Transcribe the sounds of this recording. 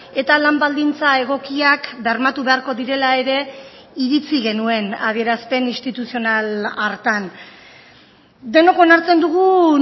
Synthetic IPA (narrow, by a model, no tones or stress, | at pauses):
e̞t̪alambald̪int͡sae̞ɣ̞o̞kiakbeaɾmat̪uβe̞aɾko̞ðiɾe̞lae̞ɾe̞ | iɾit͡siɣe̞nue̞nað̞ie̞ɾaspe̞nist̪it̪usio̞nalaɾt̪an | d̪e̞no̞ko̞naɾt͡se̞nd̪uɣu